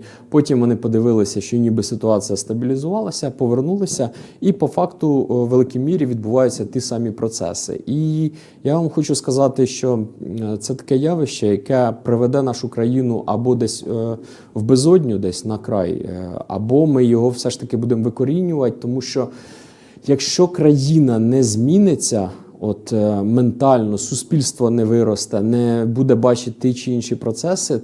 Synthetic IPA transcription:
pɔtʲimʋɔnɪpɔd̪ɪʋɪlˠɪsʲɐʃt͡ʃɔnʲibɪsɪt̪ʊɑt͡sʲijɐst̪ɐbʲilʲizʊʋɑlˠɐsʲɐpɔʋernulˠɪsʲɐipɔfɑkt̪ʊʋelˠɪkʲimʲiɾʲiʋʲid̪̚bʊʋɑjʊt͡sʲːɐt̪ʲisɑmʲipɾɔt̪sɛ̰sɪ̰ʔi | jaʋɑmxɔt͡ʃʊskɐzɑt̪ɪʃt͡ʃɔt̪sɛt̪ɐ̥kɛjɑʋɪʃt͡ʃɛjɐkɛpɾɪʋɛd̪ɛnɑʃʊkɾɐjinʊʔɐbɔd̪ɛsʲ | wbezɔdʲnʲʊd̪ɛsʲnɐkɾɑ̰jɐ̰bɔmɪjɔɦɔwsɛʃt̪ɐkɪbud̪emʋɪkɔɾʲinʲʊʋɐt̚ʲt̪ɔmuʃt͡ʃɔ | jɐkʃt͡ʃɔkɾɐjinɐnɛzʲmʲinɪt͡sʲːɐ | ɔt̪ment̪ɑlʲnɔsʊsʲpʲilʲst̪ʋɔnɛʋɪɾɔst̪ɛnɛbud̪ɛbɑt͡ʃɪt̪ːɪt͡ʃɪinʃipɾɔt̪sɛsɪ

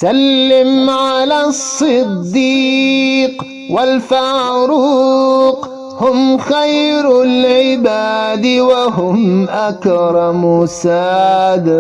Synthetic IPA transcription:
salːɪmʕalaːsˤːɨd̪ːi | q | walfaːɾu | q | hʊmxajɾʊlʕɪbaːd̪ɪwaɦʊmʔakɾˤɑmʊsaːd̪ɪ

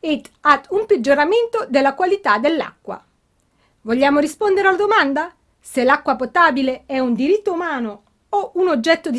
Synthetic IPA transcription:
it̪ːat̪ːumped͡ʒːoɾament̪od̪elːakwalit̪ad̪elːa̰kːwa̰ | voʎːaːmoɾispond̪eɾealad̪omand̪a | selːakːwapot̪aːbileɛund̪iɾit̪ːoumaːno | ounod͡ʒːɛt̪ːod̪i

